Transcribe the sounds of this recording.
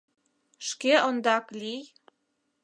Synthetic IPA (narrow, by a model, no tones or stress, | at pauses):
ʃkeʔond̪ɑklʲij